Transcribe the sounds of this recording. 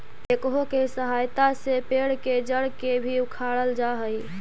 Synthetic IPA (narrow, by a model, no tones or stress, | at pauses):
t̪ekɦokesəɦajt̪asepeɽked͡ʒəɽkebʱiukʰaɽəld͡ʒaɦəj